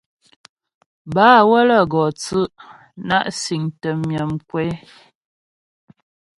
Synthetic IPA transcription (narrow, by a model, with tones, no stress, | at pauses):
baː˨˦wə˦lə˦˨ɡɔ˨t͡sʉ˦ʔ | na˦˨ʔsi˨ŋtə˨mjə˨mkwɛ˦